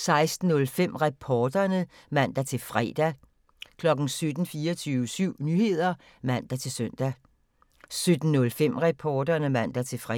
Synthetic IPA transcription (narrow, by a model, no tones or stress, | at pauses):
sɑ̈ɪsd̥n̩ːɔ̽lfem̰ʁapʰɒːd̥ɐnə | ʋæn̰d̥æt͡sʰe̝lfʁɛ̰d̥æ | kʰlɒ̽ɡ̥n̩sød̥n̩fiːɐt͡sʰyːʋəsyʊ̰nyhe̝ð̞̰ˠɐ | ʋæn̰d̥æt͡sʰe̝lsøn̰d̥æ | sød̥n̩nːɔ̽lfem̰ʁapʰɒːd̥ɐnəʋæn̰d̥æt͡sʰe̝fʁ